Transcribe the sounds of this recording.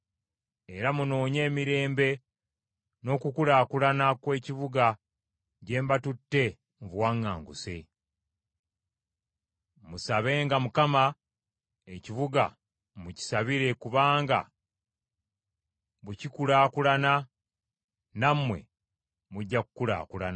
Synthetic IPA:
e̞ɾamuno̞ːɲe̞ːmiɾe̞ːmbe̞ | no̞ːkukulaːkulanakwe̞ːciβuɡa | ɟe̞ːmbatutːe̞ | mvwaːŋːa̰ːŋɡṵse̞̰ | musaβe̞ːŋɡamukama | eciβuɡa̰ | muci̥saβiɾe̞kuβaːŋɡa̰ | βucikulaːkulana | namwe̞̰ | muɟːakukula̰ːkulana

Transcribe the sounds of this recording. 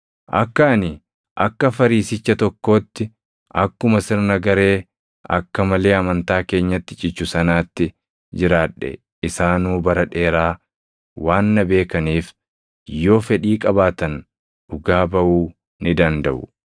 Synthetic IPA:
ʔɐ̰kːɐːnɪ | ʔɐkːɐfɐɾiːsɪt͡ʃːɐt̪ɔkːo̞ːt̪ːɪ | ʔɐkːʊmɐsɪɾnɐɡɐɾe̞ː | ʔɐ̰kːɐmɐle̞ːɐmɐnt̪aːke̞ːɲːɐt̪ːɪt͡ʃʼɪt͡ʃːʊsɐnaːt̪ːɪ | d͡ʒɪɾaːᶑɛ̰ | ɪsaːnuːbɐɾɐᶑe̞ːɾaː | waːnːɐbe̞ːkɐniːf | jo̞ːfɛɗiːkʼɐbaːt̪ɐn | ʊɡaːbɐʔuː | nɪd̪ɐnd̪ɐʔʊ̰

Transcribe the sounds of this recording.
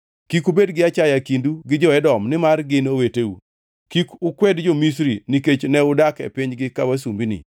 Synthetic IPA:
kikubedɡɪat͡ʃajakinduɡɪd͡ʒɔɛdɔmnɪmarɡɪnoweteṵ | kikʊkwɛdd͡ʒomis̬ɾiniket͡ʃnɛʊdakɛ̰pɪɲɡɪkawasumbinɪ̰

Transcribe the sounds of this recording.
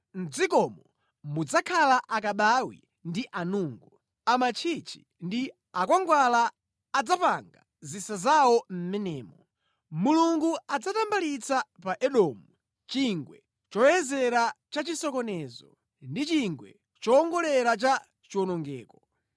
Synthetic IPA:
n̩d͡zikɔmɔ | mud͡zakʰalaʔakaɓawḭ | ndiʔanuːŋɡu | amat͡ʃʰit͡ʃʰi̥ | ndi | akwaŋɡwalaː | d͡zapaŋɡa | zisazawɔm̩mɛnɛːmɔ | muluŋɡuad͡zatambalit͡sapaʔɛɗɔːmu | t͡ʃiŋɡwɛ̰ | t͡ʃɔjɛzɛɾat͡ʃat͡ʃisɔkɔnɛzɔ̰ | ndit͡ʃiŋɡwɛ̰ | t͡ʃɔːŋɡɔlɛɾat͡ʃa | t͡ʃiwɔnɔŋɡɛːkɔ

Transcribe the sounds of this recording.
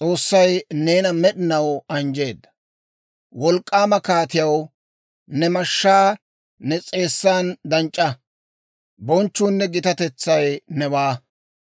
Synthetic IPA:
t͡sʼo̞ːsːɐjne̞ːnɐmɛɗɪnɐwɐnd͡ʒe̞ːd̪ːɐ̥ | wɔlkʼːaːmɐkaːt̪ɪjɐw | nɛmɐʃːaː | nɛt͡sʼe̞ːsːaːnd̪ɐnt͡ʃʼːɐ | bɔnt͡ʃːuːnːɛɡɪt̪ɐt̪ɛt͡sːɐjnɛbaː

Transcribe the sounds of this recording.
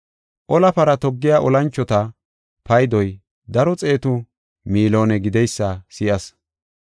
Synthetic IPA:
ʔɔlɐpɐɾɐt̪ɔɡːɪjaːʔɔlɐnt͡ʃːɔt̪ɐ | pɐjd̪ɔj | d̪ɐɾɔt͡sʼe̞ːt̪ʊ | miːlo̞ːnɛɡɪd̪ɛjsːɐsɪjɐs

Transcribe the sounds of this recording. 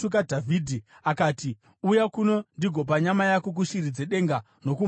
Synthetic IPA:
uk̬adʱavʱidʱi | akaːti | ujakuno̞ndiɡʱo̞p̬aɲamajakok̬uʃirid͡ze̞ɗe̞ŋɡa | no̞ku

